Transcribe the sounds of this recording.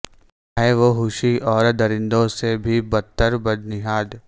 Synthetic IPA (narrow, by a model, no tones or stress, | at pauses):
ɦɛʋoɦʊʃiʔɔːɾd̪ɐɾɪ̃nd̪õsebʱibɐt̪ːəɾbɐd̪nɪɦaːd̪